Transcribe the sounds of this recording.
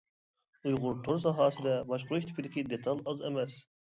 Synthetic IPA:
ujʁʊɾt̪ʰoɾs̬ɑɦɑːsɨd̪ɛbɑʃqʰʊɾuʃʲt̪ʰɪ̥pʰid̪ɪkʲid̪et̪ʰɑlˠɑzemɛs

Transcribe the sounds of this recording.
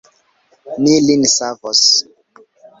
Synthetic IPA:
nilinsavɔs

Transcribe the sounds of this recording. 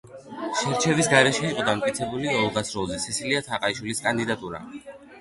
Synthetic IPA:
ʃɛɾt͡ʃʰɛvisɡaɾɛʃɛiqʼɔd̪amt̪ʼkʼit̪sʰɛbuliɔlˠʁasɾɔlˠzɛsisiliat̪ʰaqʼaiʃwiliskʼand̪id̪at̪ʼuɾa̰

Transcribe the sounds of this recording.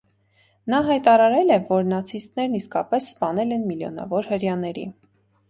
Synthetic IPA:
nɑɦɑjt̪ɑɾɑɾɛlɛvɔɾnɑt͡sʰist̪nɛɾniskɑpɛsːpɑn̪ɛlɛnmiljɔ̰nɑ̰vɔɾhəɾjɑnɛɾḭ

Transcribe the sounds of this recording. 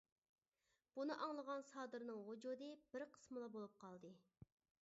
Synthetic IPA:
b̥unɨʔɑŋlˠəʁɑnsɑːd̪ɨɾnɨŋɦod͡ʒud̪ɨbɪɾqʰə̥smɨlˠɑbolˠup̚qʰɑlˠd̪ɨ

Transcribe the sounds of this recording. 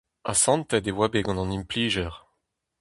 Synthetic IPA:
a̰sɑ̃nt̪ɛd̪ewabeɡɔ̃nɑ̃nimpliːʒœʁ

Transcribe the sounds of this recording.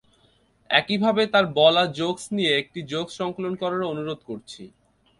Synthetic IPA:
ɛkibʱabet̪aɾbɔlad͡ʑoɡsnijeek̚ʈid͡ʑoɡsʃɔŋkolonkɔɾoɾaonuɾod̪koɾt͡ɕʰi

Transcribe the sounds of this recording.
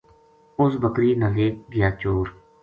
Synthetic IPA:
ʊsbəkɾiːnəleːɡɪjaːt͡ʃoːɾ

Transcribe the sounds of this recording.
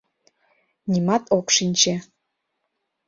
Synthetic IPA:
nʲimɑt̪ʰopʂinʲt͡ɕe

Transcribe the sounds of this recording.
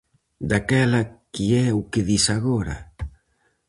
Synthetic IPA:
d̪akɛlakiɛukeðisaɣoɾa̰

